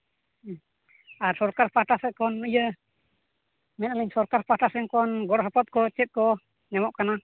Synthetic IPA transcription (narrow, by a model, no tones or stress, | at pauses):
aɾsɔɾkaɾpaʈasɛt̪̚kɔnəjə | mɛn̚aləɲsɔɾkaɾpaʈasɛnkɔnɡɔɽɔɦɔpɔt̪̚kɔt͡ʃɛt̪̚kɔ | nɛmɔʔkana